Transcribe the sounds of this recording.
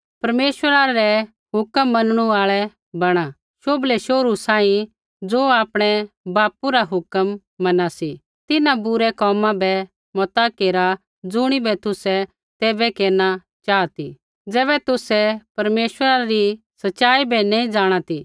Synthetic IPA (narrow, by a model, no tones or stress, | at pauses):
pɐɾmeːʃəɾaɾɛ | ɦʊkəmːɐnɽ̃uaːɭɛ | bɐɽ̃a | ʃoːblɛʃoːɾusãːĩ | d͡zoːaːpɽ̃ɛbaːpuɾaɦʊkəmː | ɐnasi | t̪ɪnãbʊɾɛkɔːmãbɛ | mɔt̪akeːɾa | d͡zʊɽ̃ibʱɛt̪ʊsɛ | t̪eːbɛkeːna | t͡ʃaːt̪i | d͡zɛːβɛt̪ʊsɛpɐɾmeːʃwəɾaɾi | sɐtːʃaːibʱɛnɛ̃ĩd͡zaːɽ̃at̪i